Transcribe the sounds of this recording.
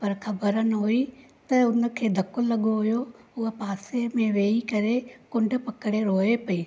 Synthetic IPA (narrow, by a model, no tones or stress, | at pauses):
pɐɾxɐbəɾənɪɦui | t̪ɐʊnə̆kʰeːd̪ʱɐkʊllɐɠoɦʊjoʊɦəpaːsemẽʋeːikɐɾekʊ̃ɳɖ̆pɐkɪɽeɾoːɦepɐiː